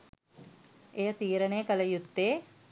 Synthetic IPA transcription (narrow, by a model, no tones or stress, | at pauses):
ejət̪iːɾənejəkələjut̪ːeː